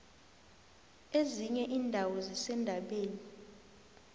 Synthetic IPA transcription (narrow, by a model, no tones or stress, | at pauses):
eziɲɛʔiːndʱawɔzisɛndʱaɓeːni